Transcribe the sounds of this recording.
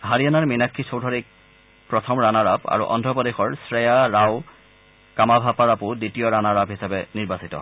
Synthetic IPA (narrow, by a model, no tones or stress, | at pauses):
ɦaɹianaɹminakʰːisowdʱɔɹik̚ | pɹɔtʰɔmɹanaɹaba̰ɹṵʔɔ̰ndʱɹɔpɔdexɔɹsɹɛjaɹaw | kamabʱapaɹapʊditijɔɹanaɹabɦisabɛniɹbasitɔ̰